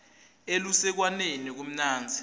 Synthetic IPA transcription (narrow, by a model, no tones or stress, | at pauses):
elusɛk̬wanenik̬um̩naːnd͡zʱi̥